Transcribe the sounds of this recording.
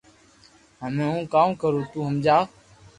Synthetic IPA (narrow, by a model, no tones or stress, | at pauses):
ɦəmẽːũːkãːmkəɾoːt̪uːɦəmd͡ʒaː